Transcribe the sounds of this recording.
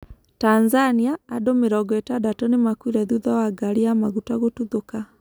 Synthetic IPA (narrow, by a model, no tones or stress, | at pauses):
tanzaniaːdomeɾɔɡwɛtadatɔnemakwiɾɛðuðawaɡaɾiamaɣutaɣotuðoka